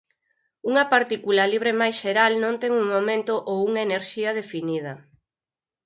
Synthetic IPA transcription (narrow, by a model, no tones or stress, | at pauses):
uŋɐpaɾt̪ikulaliβ̞ɾemajsʃeɾalnõnt̪ɛŋuŋmomẽnt̪ʊʔowuŋaeneɾʃiɐð̞efinið̞ɐ